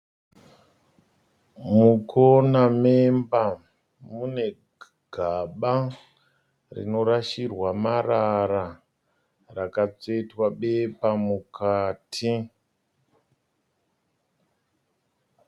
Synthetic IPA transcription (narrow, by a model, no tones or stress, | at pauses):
mukʰonamemba | mune̞ | ɡ̥ʱaɓa | rḭno̞ɾaʃirwamaraɾa | rakat͡se̞twaɓe̞pamukʰaːtʰi